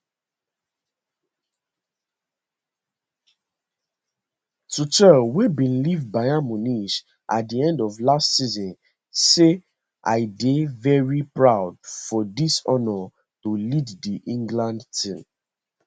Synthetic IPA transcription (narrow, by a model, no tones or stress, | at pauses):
tut͡ʃəwebĩnlivbajamɔniʃ | ʔa̰t̚diɛ̃ndɔvlastsizɔ̃n | se | ʔa̰ɪdevɛɹipɹaʊdfɔdisɔnɔ | toliddiʔĩŋɡlãndtĩm